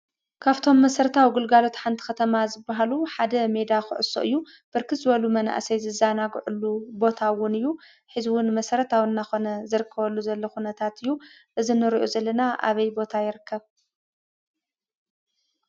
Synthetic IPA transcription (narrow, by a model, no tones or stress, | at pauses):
kʰaβt̪ʰo̞mːɐsɐɾɐt̪ʰawɡɨlɡalo̞t̪ħant̪ʰi̥xɐt̪ʰɐmazɨbːaɦaluħad̪ɐme̞d̪axɨ̰ʕʊ̰so̞̰ʔɨjːu | b̥ɨɾkʰɨt̪zɨβɐlumɐna̰ʔsɐjzɨzanaɡʕulːubo̞t̪ʰawʊnɨjːu | ħɨzuwʊnmɐsɐɾɐt̪ʰawɨnːaxo̞nɐzɨɾɨkʰːɐβɐlːuzɐlːɐxunɐt̪ʰat̪ɨjːu | ʔɨzinɨɾiʔozɐlːɐnaʔa̰βɐjbo̞t̪ʰajɪɾɨkʰːɐβ